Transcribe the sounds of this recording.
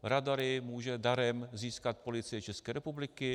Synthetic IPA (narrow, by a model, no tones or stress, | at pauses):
ɾadaɾɪmuːʒɛdaɾɛmziːskat̪̚polɪt͡sɪjɪt͡ʃɛskɛːɾɛpublɪkɪ